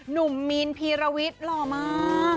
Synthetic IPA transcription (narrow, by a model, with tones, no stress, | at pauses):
nu˨˩mːiː˧npʰiː˧ɾa˧wi˦˥t̪̚lɔː˨˩maː˧